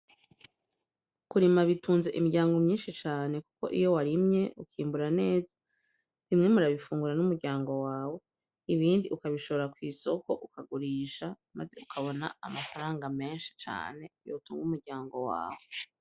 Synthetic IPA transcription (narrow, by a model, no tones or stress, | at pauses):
kuɾimaβituːnze̞ʔimiɾɟaːŋɡo̞mɲiːnʃit͡ʃaːne̞ku̥ko̞̰ʔḭjo̞waɾimɲe̞ukiːmbuɾane̞ːzḁ | nimŋe̞muɾaβifuːŋɡuɾanumuɾɟaːŋɡo̞waːwo̞ | iβiːndiʔukaβiʃo̞βoɾakwiːso̞ko̞ʔukaɡuɾiːʃa | maze̞ukʰaβo̞na̰amafaɾaːŋɡame̞ːnʃi̥t͡ʃa̰ːne̞jo̰tuːŋɡumuɾɟaːŋɡo̞wa̰ːwo